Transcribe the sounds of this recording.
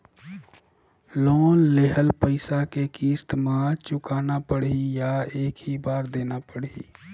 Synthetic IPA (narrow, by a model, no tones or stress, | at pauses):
loːnːeɦəlpəɪsakekiːst̪mãt͡ʃʊkaːnapəɽijaeːkɦibaːɾd̪eːnapəɽḭː